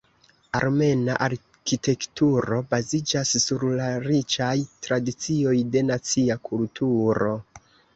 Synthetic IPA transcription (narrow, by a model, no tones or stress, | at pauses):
aɾme̞naʔaɾ | kite̞ktuɾo̞bazid͡ʒasːuɾlaɾit͡ʃajtɾadit͡sio̞jde̞nat͡siakʰultuɾo̞